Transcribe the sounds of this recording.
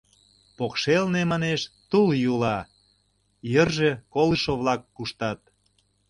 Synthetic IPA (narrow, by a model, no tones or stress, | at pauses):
pokʃelnemɑneʃt̪uljulɑ | jərʒe̽koləʃoβlɑkːuʃt̪ɑt̪̚